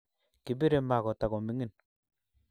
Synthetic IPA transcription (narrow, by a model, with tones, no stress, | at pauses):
ki˨bi˦ɾe˨ma˨kɔ˨ta˨kɔ˨mi˨˦ŋi˦˨n